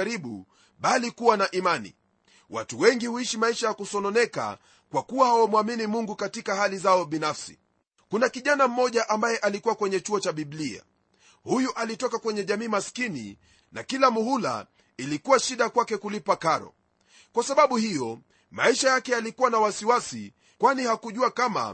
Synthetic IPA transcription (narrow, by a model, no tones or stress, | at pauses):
ɾiɓṵ | ɓalikuwanaʔimanḭ | watuwɛŋɡihuiʃimaiʃajakusɔnɔnɛka̰ | kwakuwahawamwaminimuŋɡukatikahalizaɔɓinafsi̥̰ | kunakiʄanam̩mɔʄaʔambajɛʔalikuwakwɛɲɛt͡ʃuɔt͡ʃaɓiɓlia̰ | hujuʔalitɔkakwɛɲɛʄamiːmaskinḭ | na̰kilamuhula̰ | ilikuwaʃiɗakwakɛkulipakaɾɔ̰ | kwasaɓaɓuhijɔ | ma̰iʃajakɛalikuwanawasiwasi | kwanihakuʄuakama̰